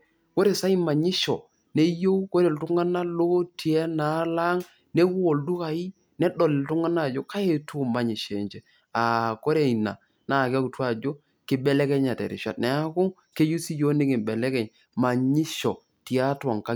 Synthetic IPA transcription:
ko˦ɾe˨sa˦i˦ma˨ɲi˦ʃɔ˨ | ne˦jo˦u˦ko˦ɾe˨ltu˦ŋa˦na˦lo˦ti˨ɛ˦na˨˦la˦ŋ | ne˦ku˦o˨ldu˦ka˨i˦ | nɛ˦dɔ˨lɪ˨ltu˦ŋa˦na˦˨d͡ʒo˦ka˦je˦˨tu˦˨ma˨ɲi˨ʃe˨ɲt͡ʃɛ˦ | a˨ko˦ɾe˦˨i˨na̰˨ | na˨ka˦ku˨twa˦˨d͡ʒo˦ | kɪ˦bɛ˦lɛ˦kɛ˦ɲa˨tɛ̰˨ɾɪ̰˨ʃa̰˨tnɛ˨a˦kʊ˦ŋ | ke˦ju˦si˦jo˦ni˦kɪ˨mbɛ˨lɛ˦kɛ˨ɲ | ma˨ɲi˦ʃɔ˨ | ti˨a˦ta˨ŋka˦

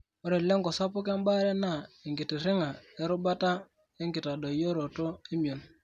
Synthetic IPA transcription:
o˦ɾe˨le˦ŋɡɔ˨sa˦pu˦ke˦mba˦ɾe˦na˦˨i˨ŋɡi˨ti˨ɾi˦ŋa˨e˦ɾu˦ba˦ta˦ | e˦ŋɡi˨ta˨do˨jo˦ɾo˨to˦i˦mjo˨n

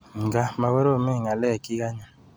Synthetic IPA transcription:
ŋ̩˨ɡa˦ma˨we˦ɾo˦˨me˦˨ŋa˨lɛ˦˨ki˦ɡa˦ɲa˨

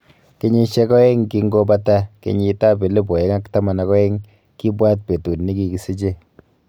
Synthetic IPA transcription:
ke˦ɲi˦ʃe˦kɔ˦e˦ŋki˦ŋɡo˦ba˦ta˦kḛ˨ɲi˨ta˦be˨le˦bo˨e˦ŋa˦kta˦ma˨na˨kɔ˦e˦ŋ | ki˦bwa˦t̚pe˨tu˨nni˦ki˨ki˨si˦t͡ʃe˦

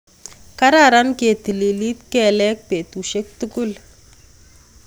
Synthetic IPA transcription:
ka˦ɾa˨ɾa˦nke˨t̪i˨li˨li˦t̪kɛ˨lɛ˦k̚pe˨t̪u˨ʃe˦k̚t̪u˦ku˦l

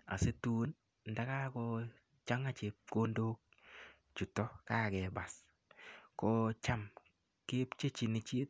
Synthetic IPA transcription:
a̰˨se˦tu˦n | nda˦ka˦kɔ˧ | t͡ʃa˦ŋa˦˨t͡ʃe˨p̚ko˦ndoː˦k̚ | t͡ʃu˨tɔ˦ka˦˨kɛ˨ba˨s | kɔ˦t͡ʃa˦m | keː˦pt͡ʃe˦t͡ʃi˨nɪ˨t͡ʃi˦t

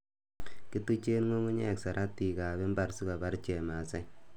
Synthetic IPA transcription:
ki˦tu˦t͡ʃe˦nŋo˦ŋu˦ɲɛ˦˨ksa˨ɾʔa˦tːi˨ka˨bɛ˦mba˨ɾsi˦ka˨ba˦ɾt͡ʃɛ˨ma˨sɛ˦

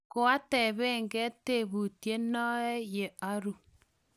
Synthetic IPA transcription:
ko˦a˦tɛ˨βɛ˦ŋɡɛ˦te˦˨βu˨tje˦nɔ˦ɛ˦je˨a˦ɾu˦

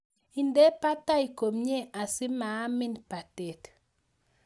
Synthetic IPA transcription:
i˨nde˦pa˦ta˦i˨ko˨mɲe˦ʔa˨sɪ˦ma˨˦mɪ˦npa˨te˨t

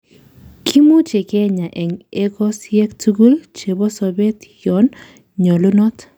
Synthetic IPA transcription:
kʰi˦mu˦t͡ʃe˨kɛ˦ɲa˨ʔɛ˨ŋe˦kɔ˦sjɛ˦ktʰu˦ɡu˦lt͡ʃe˨bɔ˦sɔ˨be˦tjɔ˨˦n | ɲɔ˨lu˦nɔ˦t

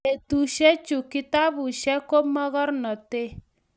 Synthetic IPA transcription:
e˨tu˨ʃɛ˦t͡ʃu˨ki˦ta˦bu˨ʃɛ˦ko˦mɔ˦ɣɔ˦ɾnɔ˨te˦

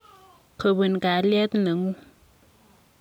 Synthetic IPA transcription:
kʰə˨bɨ˨n˨ka˨˦lɛ˦t̪nə˨ŋu˦

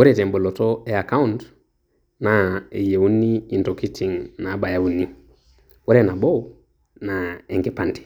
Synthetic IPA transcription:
wo˦ɾete˨mbo˨lotoe˨a˨ka˦unt | nae˨je˨u˦nii˨nto˨ki˦tʰi˨ŋnaba˨ja˨u˦ni | wo˦ɾena˨bo˦ | nae˨ŋke˨panti̥

